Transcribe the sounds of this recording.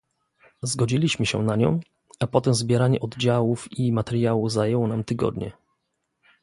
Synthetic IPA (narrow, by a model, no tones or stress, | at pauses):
zɡɔd͡ʑilʲiɕmɘɕɛ̰naɲɔ̰̃w̃ | apɔt̪ɛmzbʲjɛɾaɲɛʔɔd̪d͡ʑawufimat̪ɛɾʲjawuzajɛwɔnamt̪ɘɡɔ̰d̪ɲɛ̰